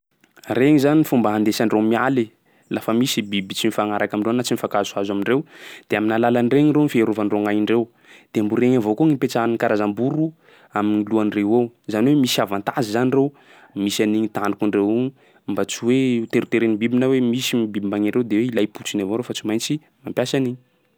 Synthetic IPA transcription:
reɲizanifumbaɦand̪esaɳrewmiali | lafəmisibibit͡sinifaŋaɾakamiɳɖ͡ʐenat͡simifakazuazamiɳrewd̪̥eaminalalanreɲiɾenifieɾuvanreŋajiɳɖ͡ʐew | d̪̥eambuɾeɲavokoŋipet͡sankaɾazambuɾu | aminiluanrewowzaniwemisavant̪azizanirew | misaniɲit̪aɳɖ͡ʐukuɳɖ͡ʐewu | mbat͡siwet̪eɾit̪eɾenibibinawemisimbibimbaɲiɳɖ͡ʐewd̪eweilajput͡sinavoɾowfat͡simajnt͡si | mampjasaniɲi

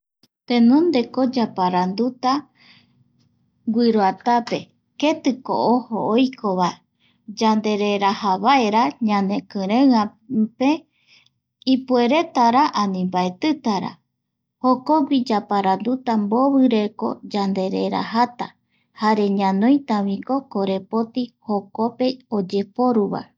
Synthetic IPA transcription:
t̪ẽnõ̞nd̪e̞ko̞d͡ʒapaɾand̪ut̪a | ɡʷiɾoat̪ape̞ | ke̞t̪ɨko̰ʔohoojkʰo̞βae | d͡ʒand̪e̞ɾe̞ɾahaβaeɾaɲãnẽ̞kɨ̃ɾẽãpe | ipue̞ɾe̞t̪aɾaʔanĩmbaet̪ɨt̪aɾa̰ | hokoɡid͡ʒapaɾand̪ut̪amboβɨɾe̞ko̞̰d͡ʒand̪e̞ɾeɾa̰ɦat̪a | haɾe̞ɲãnõj̃t̪aβĩko̞koɾe̞po̞t̪ihokope̞od͡ʒe̞po̞ɾuβa̰

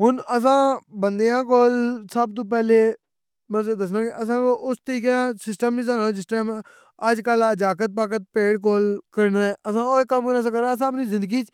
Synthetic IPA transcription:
ɦʊnəs̬ãːbənd̪ejãːkoːlsəb̚t̪̬õːp̬ɛːleː | mɛ̃ːzeːd̪əs̬nãːkeʔəs̬ãːoʔʊst̪əɾiːkeãsɪsʈəmĩs̬aːnasɪsʈəm | əd͡ʒkəlad͡ʒaːkət̪̚paːkət̪̚peːɽk̬oːlkəɾnaːɛːʔəsãːoːkəmkɾãːsãːkəɾaːəs̬ãːəp̬niːzɪ̃nd̪əɡiːt͡ʃ

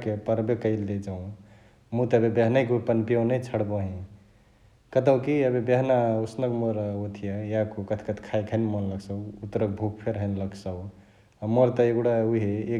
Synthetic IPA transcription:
kepəɾbekəɪlːed͡ʒaũ | mut̪ːbebeɦnajkupənpijownet͡ʃʰəɽboɦĩ | kət̪əwkiəbebeɦnausnəkmoɾot̪ʰijajakokət̪ʰkət̪ʰkʰajkʰənmonləksəʊut̪ɾək̚bʱukpʰeɾɦənləksəw | amoɾt̪əeɡɽauɦeː

